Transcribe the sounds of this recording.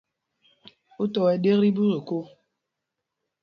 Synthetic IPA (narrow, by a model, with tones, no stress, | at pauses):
u˦tɔ˨ɛ˨ɗe˦ɣɾi˦bu˦ɾe˨ko˦